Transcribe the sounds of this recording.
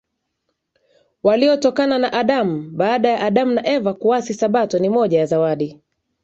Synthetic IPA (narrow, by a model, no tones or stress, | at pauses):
waliɔtɔkananaʔaɗam̩ɓaːɗajaʔaɗamunaʔɛvakuasisaɓatɔnimɔʄajazawaɗi